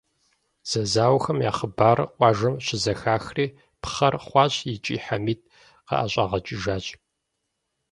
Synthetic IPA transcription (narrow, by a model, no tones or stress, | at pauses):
z̥ɐzaːwxɐmja̰ːχəbaːrqʷʼɑːʒɐmɕɪzɐxaːxriː | pχɐrχʷɑːɕʼjɪt͡ʃʼḭːħamiːt̚ʰʼ | qɐ̰ʔa̰ɕʼaːʁɐt͡ʃʼɪʒaːɕʼ